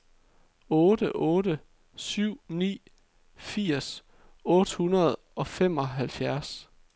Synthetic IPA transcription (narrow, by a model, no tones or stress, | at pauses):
ɔ̽ːd̥əʔɔ̽ːɾə | syʊ̰nḭː | fiɐ̰s | ɔ̽ːd̥əhunɐð̞̩ˠ | ɒ̽fem̰ɒ̽ɦælfjæɐs